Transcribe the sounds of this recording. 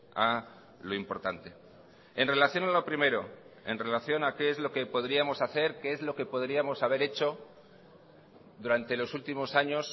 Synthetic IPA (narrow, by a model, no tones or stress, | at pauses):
a | lo̞impo̞ɾt̪ant̪e̞ | e̞nre̞laθjo̞nalo̞pɾime̞ɾo̞e̞̰nre̞laθjo̞nakeezlo̞ke̞po̞ðɾiamo̞saθe̞ɾkeezlo̞ke̞po̞ðɾiamo̞saβ̞e̞ɾe̞t͡ʃo̞ | ðuɾant̪e̞lo̞sult̪imo̞saɲo̞s